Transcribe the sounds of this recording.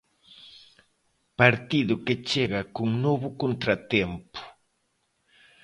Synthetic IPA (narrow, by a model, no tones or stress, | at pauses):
paɾt̪ɪd̪ʊket͡ʃeɢɑkʊŋnobʊkont̪ɾat̪empʊ̥